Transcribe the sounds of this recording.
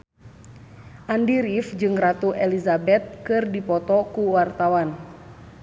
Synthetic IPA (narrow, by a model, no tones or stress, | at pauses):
ʔandiɾifd͡ʒɨŋrat̪uʔelizabɛt̪̚kɨrdipɔt̪ɔkuwart̪awan